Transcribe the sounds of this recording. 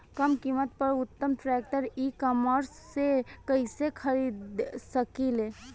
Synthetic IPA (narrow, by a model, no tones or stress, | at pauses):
kəmkimət̪̚pəɾʊt̪ːəmʈɾɛk̚ʈəɾikɔməɾsːekəisekʰəɾid̪səkile